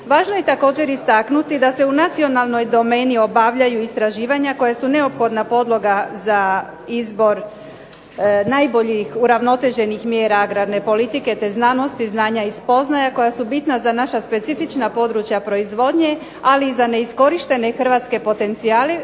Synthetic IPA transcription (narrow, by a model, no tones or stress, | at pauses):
ʋaːʒnoje̞t̪ako̞ːd͡ʑe̞ɾist̪aknut̪id̪ase̞unat̪sio̞nalˠno̞jd̪o̞me̞ːnio̞baʋʎajuist̪ɾaʒiːʋaɲako̞jasune̞opxo̞d̪napo̞d̪lˠo̞ɡaza | izbo̞ɾ | najbo̞ʎixuɾaʋno̞t̪e̞ʒe̞nixmjeːɾaaɡɾadne̞po̞lit̪iket̪e̞znano̞st̪iznaːɲaispo̞znajako̞jasubit̪nazanaʃaspe̞t̪sifit͡ʃnapo̞d̪ɾut͡ʃjapɾo̞izʋo̞d̪ɲe̞ | aliːzane̞isko̞ɾiʃt̪e̞ne̞xr̩ʋat̪ske̞po̞t̪e̞nt̪siaːle